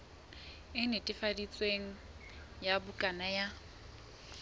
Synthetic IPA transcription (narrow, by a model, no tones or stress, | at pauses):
ɪnɪtʼɪfadit͡sʼweŋ̩ | jabʊkʼanaja